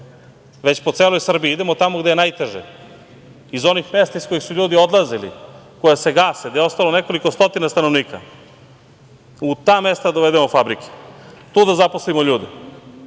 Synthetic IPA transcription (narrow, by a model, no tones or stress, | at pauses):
ʋe̞t͡ɕpot̪seːlojsr̩biiid̪emot̪amoɡd̪eenaːjt̪eʒḛ | izo̞nixme̞st̪aiskoixsuʎuːd̪io̞d̪lˠazilḭko̞jese̞ɡaːsed̪aeo̞st̪alo̞neko̞likost̪o̞t̪inast̪anoʋniːka̰ | ut̪aːme̞st̪ad̪oʋed̪emofabɾikʰe̥t̪uːd̪azapo̞slimo̞ʎuːd̪e